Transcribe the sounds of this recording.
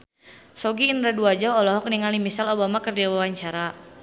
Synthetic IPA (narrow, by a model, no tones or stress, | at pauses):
sɔɡiːnɾaduad͡ʒɔɔlɔɦɔk̚niŋalimisalobamakərdiawawaɲt͡ʃaɾa